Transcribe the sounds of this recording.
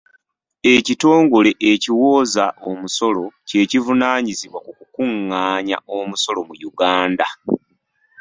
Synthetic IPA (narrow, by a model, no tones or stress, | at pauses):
e̞cito̞ːŋɡo̞le̞ʔeciwo̞ːzaʔo̞muso̞lo̞ce̞ːcivunaːɲiziβwakukukuŋːaːɲa̰ʔo̞muso̞lo̞mujuɡaːnda